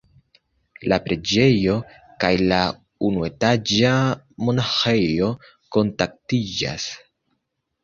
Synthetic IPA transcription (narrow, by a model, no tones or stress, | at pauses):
lapɾe̞d͡ʒe̞jo̞ | kajla | unue̞tad͡ʒa | mo̞naxe̞jo̞ | ko̞ntak̚tid͡ʒa̰s